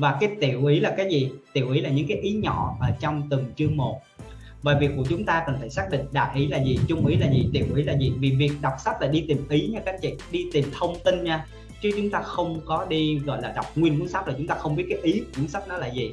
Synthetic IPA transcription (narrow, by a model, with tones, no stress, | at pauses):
vaː˨˩kaː˨˦jt̪ḭ˧˨əwʔi˨˦laː˨˩kaː˨˦jzi˨˩t̪ḭ˧˨əwʔi˨˦laː˨˩ɲɨ̰˧˥ŋkaː˨˦jʔi˨˦ɲɔ̰˧˩˨ʔəː˧˩t͡ɕɔ˧wŋ͡mt̪ɨ˨˩ŋt͡ɕɨ˧əŋmo˨˩t̚ | vaː˨˩vi˨˩əkːku˧˩ət͡ɕʊ˨˦ŋ͡mt̪aː˧kə˨˩nt̪ʰə˧˩jsaː˦˥k̚ɗḭ̈˧˨ŋ̟ɗa̰ː˧˨jʔi˨˦laː˨˩zi˨˩t͡ɕʊ˧ŋ͡mʔi˨˦laː˨˩zi˨˩t̪ḭ˧˨əwʔḭ˨˦laː˨˩zi˨˩vi˨˩vi˨˩ək̚ɗa˨˩wk͡p̚sa˦˥p̚la̰ː˧˩ɗi˧t̪i˨˩mʔi˨˦ɲa˧ka˨˦˥k̚t͡ɕḭ˧˨ɗi˧t̪i˨˩mt̪ʰə˧wŋ͡mt̪i˧nɲaː˧ | t͡ɕɨ˨˦t͡ɕʊ˨˦ŋ͡mt̪aː˧xə˧wŋ͡mkɔ˨˦ɗi˧ɣɔ̰˧˨jlaː˨˩ɗa˨˩wk͡p̚ŋwi˧ənku˧˦ənsa˦˥p̚laː˨˩t͡ɕʊ˨˦ŋ͡mt̪aː˧xə˧wŋ͡mɓi˦˥ət̚kaː˨˦jʔi˨˦kku˧˦ənsa˦˥t̚nɔ˨˦laː˨˩zi˨˩